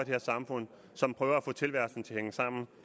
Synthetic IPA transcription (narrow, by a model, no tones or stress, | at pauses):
d̥eheɐsɑ̈mfɔ̽n̰ | sɒ̽mpʰʁœːʊɐæfɔ̽ːt͡sʰe̝lʋæɐsn̩t͡sʰe̝lheŋəsɑ̈m̰n̩